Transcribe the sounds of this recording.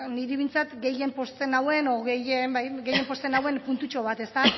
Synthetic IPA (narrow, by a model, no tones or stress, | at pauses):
niɾiβint͡sat̪ɡe̞je̞mpo̞st̪e̞nawe̞noɣejembajɡe̞je̞mpo̞st̪enawe̞npunt̪ut͡ʃo̞β̞at̪e̞st̪a